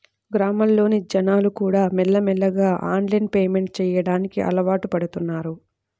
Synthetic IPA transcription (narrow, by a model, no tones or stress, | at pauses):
ɡɾaːmɐllo̞ːnid͡ʒɐnaːlukuːɽaːmɛlːɐmɛlːɐɡaːʔa̰ːnlɐjnpeːme̞ɳʈ̚t͡ʃɛːjɐɽaːnikiʔɐ̰lɐʋaːʈupɐɽut̪unːaːɾu